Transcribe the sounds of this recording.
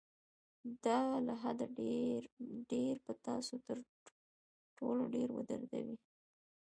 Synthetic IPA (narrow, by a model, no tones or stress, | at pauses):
d̪ɑlaɦad̪aeɾɖeɾpət̪ɑsot̪əɾ | ʈʰoloɖeɾwə̰d̪ə̰ɾd̪a̰wi